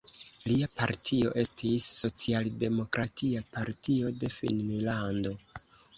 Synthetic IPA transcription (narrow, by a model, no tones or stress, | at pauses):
liapaɾtʰio̞̰ʔe̞stisːo̞t͡sialde̞mo̞kɾʔatiapaɾtio̞de̞fḭnmilando̞